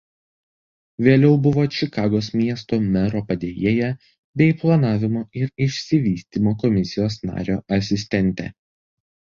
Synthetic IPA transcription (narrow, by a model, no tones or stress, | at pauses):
ʋʲeːlʲɛʊbʊʋoːt͡ʃʲɪkɑːɡoːsmʲiɛst̪oːmʲɛɾoːpɐd̪ʲeːjeːjɛ | bʲɛɪplˠɐnɑːʋʲɪmoːɪɾɪʃʲsʲɪʋʲiːsʲt̪ʲiːmoːkɔmʲɪsʲɪjoːsnɑ̰ːɾʲoːʔɐsʲɪsʲt̪ʲɛnʲt̪ʲɛ̰